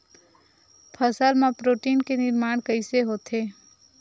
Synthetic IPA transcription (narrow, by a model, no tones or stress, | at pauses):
pʰəsəlmãpɾoːʈiːnkenɪɾmaːɽ̃kəɪseɦoːt̪eː